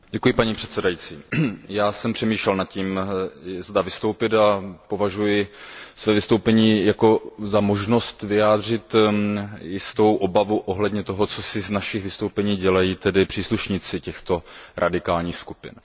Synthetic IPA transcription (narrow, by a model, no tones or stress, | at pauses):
ɟɛkujɪpaɲipr̥ɛt̪sɛdajit͡sḭːjaːsɛmpr̥ɛmiːʃlɛlnat̪̚ciːm | zdavɪst̪owpɪt̪apo̞vaʒujɪsvɛːvɪst̪o̞wpɛɲiːjakozamo̞ʒno̞st̪vɪjaːd̪rɪt̪ | jɪst̪o̞wʔo̞bavuʔoɦlɛdɲɛt̪oɦot͡so̞sɪznaʃɪxvɪst̪o̞wpɛɲiːɟɛlajiːt̪ɛdɪpr̝̥iːsluʃɲɪt͡sɪcɛxt̪o̞ɾʔa̰dɪkaːlɲiːxskupɪ̰n